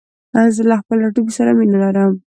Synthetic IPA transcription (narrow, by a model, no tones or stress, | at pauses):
azəlaxpəlaʈubisaɾamenalaɾəm